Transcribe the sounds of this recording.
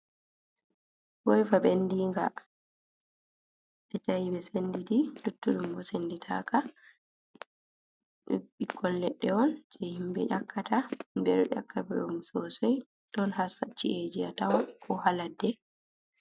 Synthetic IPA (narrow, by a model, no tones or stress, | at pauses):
wɔjfaɓenːdiŋɡa̰ | ʔɛtajibɛsenːdidilutːuɗumbɔsenditʰa̰ka | ɛɓikʰːɔllɛɗːɛɔnd͡ʒɛhimbɛ̰ʔakːatambɛɾɔʔa̰kːabɛumsɔsɔj | tɔnhasat͡ʃːiʔed͡ʒiatawkʰɔhaladːɛ